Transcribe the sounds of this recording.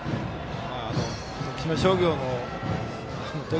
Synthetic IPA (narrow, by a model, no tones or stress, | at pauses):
e | maːno | nokʲʰimaɕoːɡʲoːno | anot̪e